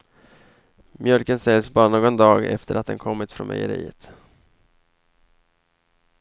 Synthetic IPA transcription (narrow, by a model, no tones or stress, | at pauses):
mjœlkənsɛlsbɑːɾanoːɡɔnd̪ɑːɡɛ̰ft̪əɾat̪̚d̪ɛnkʰɔmːɪt̪fɾɔ̰nʔɛ̰jəɾḭːət̪